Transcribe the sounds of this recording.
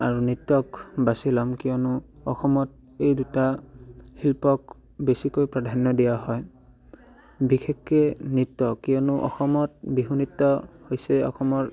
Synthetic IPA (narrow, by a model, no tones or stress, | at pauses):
aɹunitːɔkbasilɔmkijɔnʊɔxɔmɔt̚ | ejdutahilpɔk | besikojpɹadʱanːɔdijaɦɔj | bixʰekːɛnitːɔkijɔnʊʔɔ̰xɔmɔt̚biɦunitːɔhojsɛɔ̰xɔmɔɹ